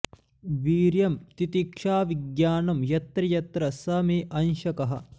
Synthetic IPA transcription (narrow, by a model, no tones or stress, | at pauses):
ʋiːɾjɐmt̪it̪ikʂaːʋiɡjaːnɐmjɐt̪ɾɐjɐt̪ɾɐsɐmeːʔɐnʃɐkɐɦɐ̰̆